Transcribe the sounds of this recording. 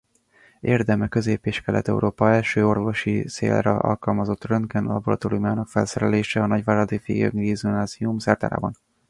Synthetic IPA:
ʔeːrd̪ɛmɛkøzeːpeːʃkɛlʔɛ̰t̪ɛ̰ṵɾoːpɒɛlʃøːo̞rvo̞ʃisḛːlrɛ̰ɒ̰lkɒlmɒzot̪ːrønkɛnlɒ̰boɾɒt̪olimaːnɒkfɛlsɛɾɛleːʃɛɒnɒɟvaːɾɒd̪eːfḛːɡø̰ŋɡiːzunaːziumsɛrt̪a̰ːɾa̰ːbɒn

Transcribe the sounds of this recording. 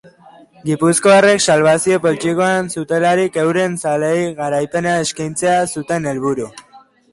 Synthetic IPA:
ɡipusko̞are̞ksalβ̞asio̞po̞lt͡ʃiko̞ansut̪e̞laɾike̞wɾe̞nsalejɣaɾajpe̞nae̞skajnt͡se̞asut̪e̞ne̞lβuɾu

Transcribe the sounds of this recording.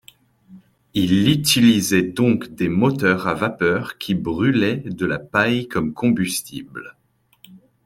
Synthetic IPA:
ilyt̪ilizɛd̪ɔ̃kd̪emɔt̪œʁavapœʁkʲʰibʁylɛd̪əlapajkɔmkʰɔ̃byst̪ḭbl

